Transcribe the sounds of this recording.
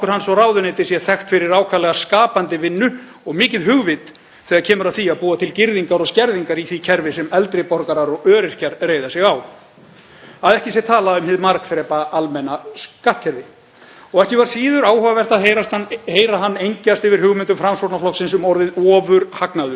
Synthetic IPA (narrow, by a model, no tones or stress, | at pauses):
kʏɾ̥hansɔrawðʏneːt̪ɪ̥sjɛθɛxt̪fɪɾɪɾaːwkʰvalɛɣaskaːpant̪ɪvɪnːʏ | ɔɣmɪːcɪðɦʏɣvɪt̪ | θɛːɣaɾcʰɛːmʏɾawθiaðpuːat̪ʰɪlcɪɾðiŋkaɾɔɣscɛɾðiŋkaɾiθicʰɛɾvɪsɛmɛlt̪ɾɪpɔɾkaɾaɾɔɣœːɾɪr̥caɾreːjðasɪɣaːw | aðɛhcɪs̬jɛt̪ʰaːlaʏmhɪðmaɾkθɾɛːpaalmɛnaskaht̪cʰɛɾvɪ | ɔɣɛhcɪvaɾ̥siːðʏɾaːwhœvavɛr̥t̪aðɦeːjɾast̪aheːjɾaɦanːejɲcast̪ɪvɪɾ̥hʏɣmɪnt̪̬ʏmfɾamsɔɾt̪naflɔksɪnsʏmɔɾðɪðɔːvʏɾhaknaðʏ̥